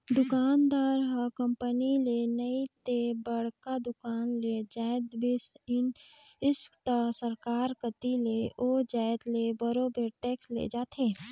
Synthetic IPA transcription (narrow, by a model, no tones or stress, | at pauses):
d̪ʊkaːnd̪aːɾɦakə̃mpənilenəit̪ebəɽ̤kad̪ʊkaːnled͡ʒaːɪd̪bisɪn | ɪst̪asəɾkaːɾkət̪ileʔoːd͡ʒaːɪd̪lebəɾobeɾʈɛːkslḛd͡ʒaːt̪ʰeː